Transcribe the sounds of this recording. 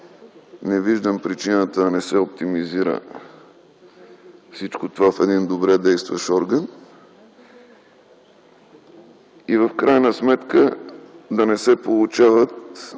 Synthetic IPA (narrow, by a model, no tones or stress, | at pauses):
nɛviʒd̪əmpɾit͡ʃinət̪əːnɛsɛop̚t̪imiziɾə̰ | fsit͡ʃkot̪ovafɛd̪ind̪obɾɛd̪ɛjst̪vəʃɔɾɡən | ivəfkɾajnəsmɛt̪kəd̪ɐnɛsɛpolˠut͡ʃavət̪